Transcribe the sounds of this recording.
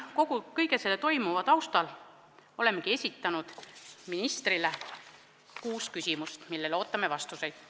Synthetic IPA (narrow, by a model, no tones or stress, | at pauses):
ko̞ɡ̥ukɤjɡe̞selːet̪o̞jmuvɑt̪ɑwst̪ɑl | o̞le̞mːekie̞sʲit̪ːˑɑnud̪̥minist̪rile | kuːskysʲimust̪milːe̞lo̞ːt̪ːˑɑme̞vɑst̪use̞jd̪̥